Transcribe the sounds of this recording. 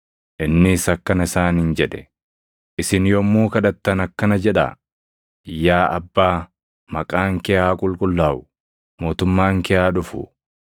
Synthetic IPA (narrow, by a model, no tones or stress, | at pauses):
ʔɪnːɪːsɐkːɐnɐɪsaːnɪnd͡ʒɛᶑɛ̥ | ʔɪsɪnjɔmːuːkɐᶑɐt̪ːɐnɐkːɐnɐd͡ʒɛᶑa̰ | jaːʔɐbːaː | mɐkʼaːŋkɛjaːkʼʊlkʼʊlːaːʔʊ̥ | mo̞ːt̪ʊmːaːŋkɛʔaːᶑʊfʊ̰